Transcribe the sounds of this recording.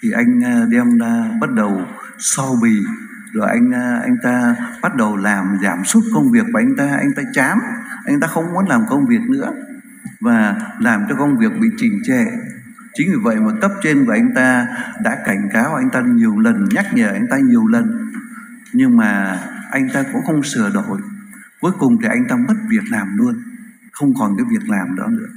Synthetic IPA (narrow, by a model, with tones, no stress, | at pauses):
t̪ʰi˨˩ʔa˧jŋ̟ː˧ɗɛ˧mlaː˧ɓa˦˥t̚ɗə˨˩w | sɔ˧wɓi˧˩˨ | zo˨˩ʔa˧jŋ̟ː˧ʔa̰˧jŋ̟t̪aː˧ɓa˦˥t̚ɗə˨˩wlaː˨˩mzaː˧˩msu˦˥t̚kə˧wŋ͡mvi˨˩ək̚kuː˨˩˨ʔa˧jŋ̟t̪aː˧ʔa̰˧jŋ̟t̪aː˧t͡ɕaː˨˦mʔa˧jŋ̟t̪aː˧xə˧wŋ͡mkɔ˨˦nlaː˨˩mkə˧wŋ͡mvi˨˩ək̚nɨ̰˧˥ə | vaː˨˩laː˨˩mt͡ɕɔ˧kə˧wŋ͡mvi˨˩ək̚ɓḭ˧˨t͡ɕï˧˩ŋ̟t͡ɕḛ˧˨ | t͡ɕï˨˦ŋ̟vi˨˩və̰˧˨jmaː˨˩kə˦˥p̚t͡ɕe˧nkʔa˧jŋ̟t̪aː˧ɗa̰ː˧˥ka˧˩jŋ̟kaː˨˦wʔa˧j̟t̪aː˧ɲi˨˩əwlə˨˩nɲa˦˥k̚ɲəː˧˩ʔa˧jŋ̟t̪aː˧ɲi˨˩əwlə˨˩n | ɲɨ˧ŋmaː˨˩ʔa˧jŋ̟t̪aː˧kʊ̰˧˥ŋ͡mxə˧wŋ͡msɨ˨˧˩əɗo˧˩j | ku˨˦jkʊ˨˩ŋ͡mt̪ʰi˨˩ʔa˧jŋ̟t̪aː˧mə˦˥t̚vi˨˩ək̚laː˨˩mlu˧ən | xə˧wŋ͡mkɔ˨˩nkaː˨˦jvi˨˩ək̚laː˨˩mɗɔ̰˨˦nɨ̰˧˥ə